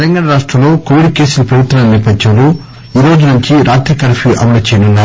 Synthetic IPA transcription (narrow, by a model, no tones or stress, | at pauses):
lɐŋɡaːɳɐɾaːʂʈɾɐmlo̞ːkoʋiɖke̞ːsulɐpɾɐʋut̪ːɾɐɐniːɾpɐd͡ʒd͡ʒɐmlu | iːɾo̞ːd͡ʒunuɲt͡ʃiɾaːt̪ɾɐkɐɾfʰiʔɐ̰mɐnɐt͡ʃeɛːjɐnunːaːɾu